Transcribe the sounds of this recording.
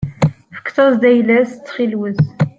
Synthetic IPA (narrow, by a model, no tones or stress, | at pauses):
fə̥kːt̪ɑzd̪æjlæst͡sːχilwəz